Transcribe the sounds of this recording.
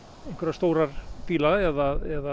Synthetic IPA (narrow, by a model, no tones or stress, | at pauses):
ẽjŋkvɛɾast̪oːwɾaɾpiːlaɛðaɛða